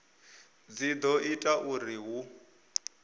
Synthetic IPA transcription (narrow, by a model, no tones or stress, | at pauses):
d͡zid̪ɔitʼaʔuriɦu